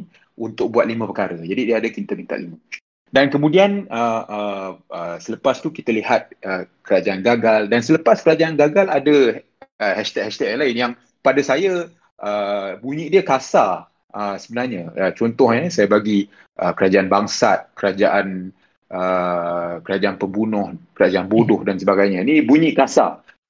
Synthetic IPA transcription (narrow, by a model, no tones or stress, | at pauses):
ʔunt̪ʊk̚buat̪̚limə̃pəkaɾəd͡ʒadidiəadəkint̪akint̪a̰ʔlimə | dankəmũdianəəəsələpast̪ukit̪alihat̪̚ʔəkəɾad͡ʒaʔanɡaɡaldansələpaskəɾad͡ʒaʔanɡaɡaladə | əhɛst̪ɛkhɛst̪ɛk̚laɪnjaŋ | padasaja | ʔəbuɲĩʔdiəkasa | ʔəsəbənarɲaət͡ʃɔnt̪ɔhɲəsajabaɡi | ʔəkəɾad͡ʒaʔanbaŋsat̪̚kəɾad͡ʒaʔan | ʔə | kəɾad͡ʒaʔanpəmbunɔhkəɾad͡ʒaanbodʊhdansəbaɡajɲãnibuɲĩʔkasa̰